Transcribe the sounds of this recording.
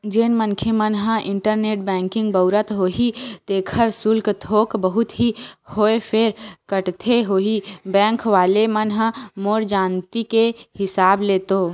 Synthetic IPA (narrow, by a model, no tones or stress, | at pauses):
d͡ʒeːnmənkʰemənɦə̃ʔɪ̃ɳʈəɾneːʈbɛ̃ːŋkɪ̃ŋɡbəʊɾət̪ɦoːɦit̪eːkʰəɾsʊlkt̪ʰoːkbəɦʊt̪ɦihoːepʰeɾkəʈt̪ʰeɦoːɦibɛ̃ːŋkʋaːlemənɦə̃moːɾd͡ʒaːnt̪ikehɪsaːbleːt̪oː